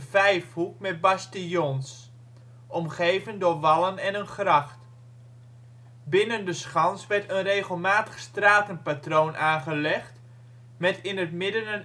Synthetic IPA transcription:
vɛjfhuk̚mɛt̚bastəjɔns | ʔɔmχejvəndʊːɹʋɑlˠənɛnənχrɑχt | bɪnəndəsχɑnsʋɛɹtənrejχəlˠmaːtəχstraːtənpatrownʔaːnχəlɛχt | mɛtɪnətmɪdənən

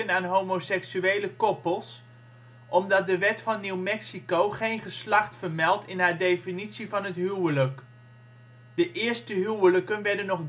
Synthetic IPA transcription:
ənaːnɦowmowsɛksyejləkɔpəlˠs | ʔɔmdɑt̚dəʋɛtfɑnːiwmɛksikowχejnχəslɑχtfəɹmɛlˠtɪnɦaːɹdejfinitsivɑnɦətɦywələk | dəʔɪːɹstəɦywələkənʋɛɹdənːɔχ

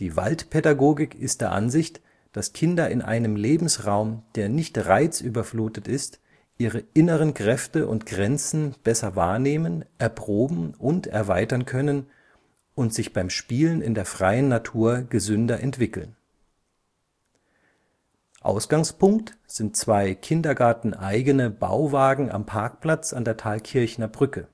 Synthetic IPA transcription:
d̥iːva̰ltpʰedaɡoːɡɪkɪst̚d̥eːɐʔa̰nzɪçt | d̥askʰɪndɐʔɪnʔa̰ɪnəmleːbm̩sʁaʊmd̥eːɐnɪçtʁaɪt͡sʔyːbɐfluːtətɪst | ʔiːʁəʔɪnəʁənkʁ̥ɛftəʔʊ̰ntɡ̥ʁɛnt͡sn̩b̥ɛsɐva̰ːɐneːmənʔɛɐpʁ̥oːbm̩ʔʊntɛ̰ɐvaɪtɐnkʰœnən | ʊntz̥ɪçb̥aɪmʃpiːlənɪ̰ndeːɐfʁ̥aɪənːatʰuːɐɡəzʏndɐʔɛntv̥ɪkl̩n | ʔa̰ʊsɡ̥aŋspʊŋktz̥ɪntt͡sv̥aɪkʰɪndɐɡaɐtn̩ʔaɪɡənəba̰ʊvaːɡŋ̩ʔa̰mpʰaɐk̚pl̥at͡sandeːɐtʰaːlkʰɪɐçnɐbʁʏkə

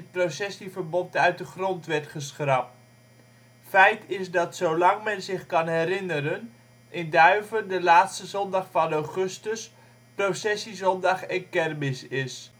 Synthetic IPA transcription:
ət̚prosɛsivərbɔntœɥt̚dəχrɔntʋɛɹtχəsχrɑp̚ | fɛjtɪsdɑtsowlɑŋmɛnzɪχkɑnɦɛɾɪnəɾən | ʔɪndœɥvəndəlaːtstəzɔndɑχfɑnawχɵstəs | prowsɛsizɔndɑχɛnkɛrmɪsɪs

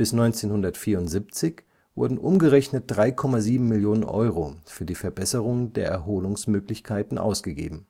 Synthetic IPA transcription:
b̥ɪsnɔʏnt͡seːnhʊndɐtfiːɐʊntz̥iːp̚t͡sɪç | vʊ̰ɐdn̩ʔʊmɡəʁɛçnət̚d̥ʁaɪkʰɔmaziːbm̩mɪljoːnənʔɔ̰ʏʁofyːɐdiːfɛɐbɛsəʁ̞ʊŋəndeːɐʔɛɐɦoːlʊŋsmøːklɪçkʰaɪtn̩ʔa̰ʊsɡ̥əɡḛːbm̩

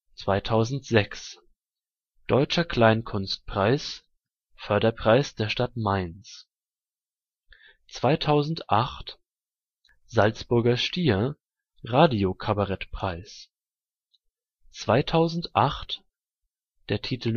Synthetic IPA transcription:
t͡sv̥aɪtʰaʊzn̩tz̥ɛks | d̥ɔʏt͡ʃɐkʰl̥aɪnkʰʊnst̚pʁ̥aɪs | fœɐdɐpʁ̥aɪsd̥eːɐʃtatmaɪns | t͡sv̥aɪtʰaʊzn̩tʔaχt | z̥alt͡sb̥ʊɐɡɐʃtiːɐ | ʁaːdiokʰabaʁɛtpʁ̥aɪs | t͡sv̥aɪtʰaʊzn̩tʔaχt | d̥eːɐtʰiːtʰl̩

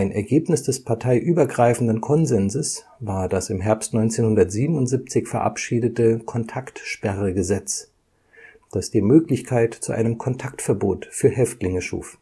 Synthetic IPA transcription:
ʔaɪnʔɛ̰ɐɡeːpnɪsd̥ɛspʰaɐtʰaɪʔyːbɐɡʁaɪfn̩dənkʰɔnzɛnzəs | vaːɐd̥asɪmɦɛɐpstnɔʏnt͡seːnhʊndɐtz̥iːbm̩ʊntz̥ip̚t͡sɪçfɛɐʔa̰pʃiːdətəkʰɔntʰaktʃpɛʁəɡəzɛt͡s | d̥asd̥iːɐmøːklɪçkʰaɪtt͡suʔa̰ɪnəmkʰɔntʰaktfɛɐboːtfyːɐɦɛftlɪŋəʃṵːf

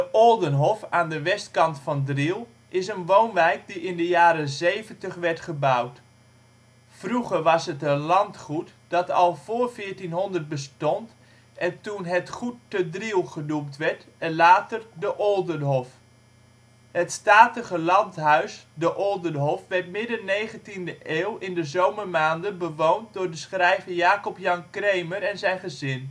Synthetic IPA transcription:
dəʔolˠdənɦɔfaːndəʋɛstkɑntfɑndrilˠ | ʔɪsənʋownʋɛjk̚diɪndəjaːɾəzejvəntəχʋɛɹtχəbawt | fruχəɹʋɑsɦətənlɑntχutd̥ɑtɑlˠv̥ʊːɹfɪːtinɦɔndərt̚bəs̬tɔnt | ʔɛntunɦətχutːədrilˠχənumtʋɛɹtɛnlaːtərdəʔɔlˠdənɦɔf | hətstaːtəχəlɑntɦœɥsdəʔɔlˠdənɦɔfʋɛɹtmɪdənejχəntindəʔeːlˠɪndəzowmərmaːndənbəʋownt̚dʊːɹdəsχrɛjvəjaːkɔpjɑŋkrejməɾɛnzɛjnχəzɪn

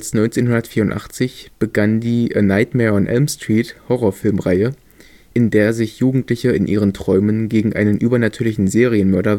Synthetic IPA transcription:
ɐsnɔʏnt͡seːnɦʊndɐtfiːɐʊntʔa̰χt͡sɪçb̥əɡandiːʔənaɪtmɛɔnʔɛ̰lmstʁ̥iːthɔʁoːɐfɪlmʁaɪə | ʔɪndeːɐzɪçjuːɡŋ̩tlɪçəɪnʔiːʁ̞əntʁ̥ɔʏmənɡeːɡŋ̩ʔa̰ɪnənʔyːbɐnatʰyːɐlɪçn̩zeːʁiənmœɐɾɐ

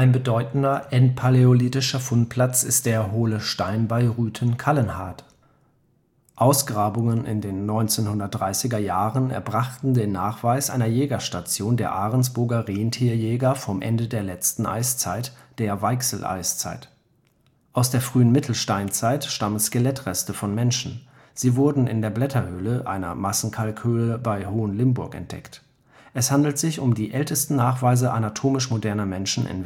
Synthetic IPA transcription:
ʔaɪnbədɔʏtn̩dɐʔɛntpʰaleoliːtɪʃɐfʊnt̚pʰl̥at͡sɪst̚d̥eːɐɦoːləʃtaɪnbaɪʁyːtʰənkʰalənha̰ɐt | ʔaʊsɡ̥ʁaːbʊŋənʔɪ̰ndeːnːɔʏnt͡seːnhʊndɐt̚d̥ʁaɪsɪɡɐjaːʁənɛ̰ɐbʁaχtn̩deːnːaːχv̥aɪsʔa̰ɪnɐjɛːɡɐʃtat͡sjoːndeːɐʔaːʁənsb̥ʊɐɡɐʁeːəntʰiːɐjɛːɡɐfɔmʔɛ̰ndədeːɐlɛt͡stn̩ʔa̰ɪst͡saɪt | d̥eːɐvaɪksl̩ʔa̰ɪst͡sa̰ɪt | ʔaʊsd̥eːɐfʁ̥yːənmɪtʰl̩ʃtaɪnt͡saɪtʃtamənskəlɛtʁɛstəfɔnmɛnʃn̩ | z̥iːvʊɐdn̩ɪ̰ndeːɐblɛtʰɐhøːləʔa̰ɪnɐ̰masn̩kʰalkʰhøːləbaɪhoːənlɪmbʊɐkɛ̰nt̚d̥ɛ̰kt | ʔɛshandl̩tz̥ɪçʊmdiːʔɛltəstn̩naːχv̥aɪzəʔanatʰoːmɪʃmodɛɐnɐmɛnʃn̩ʔɪ̰n

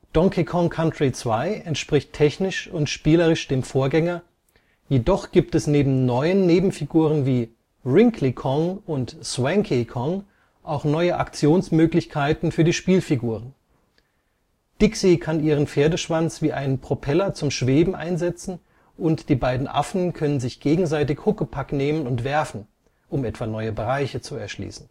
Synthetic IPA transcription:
d̥ɔŋkʰikʰɔŋkʰantʁit͡sv̥aɪɛntʃpʁ̥ɪçtʰɛçnɪʃʊntʃpiːlɐʁ̞ɪʃd̥eːmfoːɐɡɛŋɐ | jeːdɔχɡ̥iːp̚tɛsneːbm̩nɔʏənːeːbm̩fiɡuːʁ̞ənviː | ʁɪŋkʰlikʰɔŋʊntswɛŋkʰikʰɔŋ | ʔaʊxnɔʏəʔa̰kt͡sjoːnsmøːklɪçkʰaɪtn̩fyːɐdiːʃpiːlfiɡuːʁən | d̥ɪksikʰaniːʁ̞ənfeːɐdəʃv̥ant͡sv̥iːʔaɪnpʁ̥opʰɛlɐt͡sʊmʃv̥eːbm̩ʔa̰ɪnzɛt͡sn̩ | ʔʊntd̥iːbaɪdn̩ʔa̰fn̩kʰœnənzɪçɡ̥eːɡŋ̩zaɪtɪçhʊkəpʰakneːmənʊntv̥ɛɐfn̩ | ʔʊmɛtv̥aːnɔʏəbəʁaɪçət͡suɛɐʃlḭːsn̩

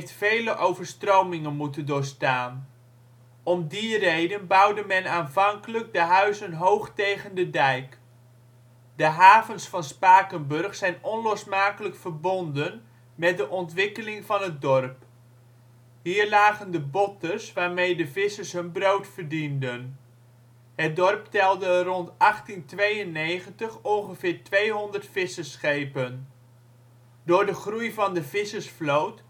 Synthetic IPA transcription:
jftfejləʔowvəɹstrowmɪŋənmutəndʊːɹstaːn | ɔmdirejdənbʌwdəmɛnaːnvɑŋkələɡ̚dəɦœɥzənɦowχtejχəndədɛjk | dəɦaːvənsfɑnspaːkənbɵrχsɛjnɔnlɔsmaːkələkfərbɔndən | mɛt̚dəʔɔntʋɪkəlɪŋvɑnɦət̚dɔrp | ɦiːɹlaːχəndəbɔtəsʋaːɹmejdəvɪsəsɦɵnbrowtfərdindən | ɦət̚dɔrptɛlˠdərɔntɑχtintʋejənejχəntəχɔnχəvɪːɹtʋejɦɔndərtfɪsəsχejpən | dʊːɹdəχrujvɑndəvɪsəsflowt

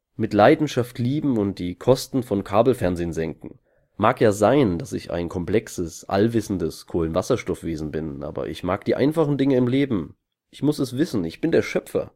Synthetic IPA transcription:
mɪtlaɪdn̩ʃaftʰliːbm̩ʊnt̚d̥iːkʰɔstn̩fɔnkʰaːbl̩fɛɐnzeːənzɛŋkŋ̩ | maːkjaːzaɪnd̥asɪ̰ça̰ɪnkʰɔmpl̥ɛksəsʔa̰lvɪsn̩dəskʰoːlənvasɐʃtɔfv̥eːzn̩bɪnʔa̰ːbɐ̰ʔɪ̰çmaːkd̥iːʔa̰ɪnfaχn̩dɪŋəɪmleːbm̩ | ʔɪçmʊsɛsv̥ɪsn̩ɪçb̥ɪndeːɐʃœpfɐ̰

